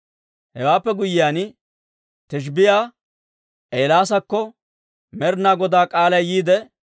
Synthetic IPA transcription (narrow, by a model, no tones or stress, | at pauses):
hɛwaːpːɛɡʊjɪjaːn | t̪ɪʃ̬bɪjaː | ʔeːlaːs̬ɐkːɔ | mɛɾnaːɡɔd̪aːkʼaːlɐjjiːd̪ɛ